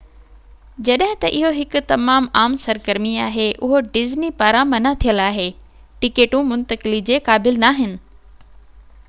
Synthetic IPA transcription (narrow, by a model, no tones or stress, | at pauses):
d͡ʑɐɗɦɪ̃t̪ɐʔɪɦoɦɪkʊ̆t̪ɐmaːmaːmsɐɾɡəɾmiaːɦeʔʊɦoɖɪznipaːɾãmɐnat̪ʰijəlaːɦeː | ʈɪkeːʈũmʊ̃nt̪əkɪlid͡ʑeːkaːbɪlnaːɦɪnɪ̆